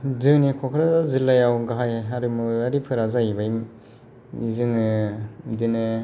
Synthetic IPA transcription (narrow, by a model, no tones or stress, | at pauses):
zɯnikʰɔkʰɾazazilːajawɡaɦajaɾɯmuaɾipʰɯɾazajibajm | izɯŋɯdinɯ